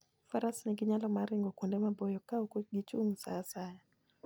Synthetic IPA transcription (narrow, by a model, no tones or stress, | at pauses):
faɾasniɡɪɲalɔmaɾɪŋɡɔkundɛmabɔjɔkaukuɡit͡ʃuŋsasaja